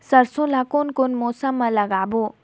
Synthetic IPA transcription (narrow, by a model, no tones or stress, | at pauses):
sɐɾsõlakonkonmoːsəmːãlɐɡaːbo